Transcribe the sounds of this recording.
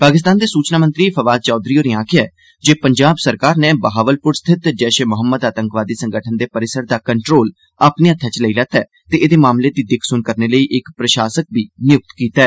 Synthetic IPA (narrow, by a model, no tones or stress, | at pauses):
paːkɪs̬t̪aːnd̪eːsuːt͡ʃnaːmənt̪ɾiːpʰəʋaːd̪̚t͡ʃɔːd̪ɾiːoːnẽaːkʰɪjaː | d͡ʒeːpəɲd͡ʒaːbsəɾkaːɾneːbəɦaːʋəlpʊɾst̪ʰɪt̪d͡ʒɛːʃeːmʊɦəmːəd̪aːt̪ə̃ŋkʋaːd̪iːsəŋɡəʈʰənd̪eːpəɾɪsəɾd̪aːkəɳʈɾoːl | aːpnẽːət̪ʰːãːt͡ʃləiːlɛːt̪ɛː | t̪eːʔɪd̪eːmaːmleːd̪iːd̪ɪkʰsʊnkəɾneːləiːʔɪkpɾəʃaːsək̚biːnɪjʊk̚t̪kiːt̪aɛː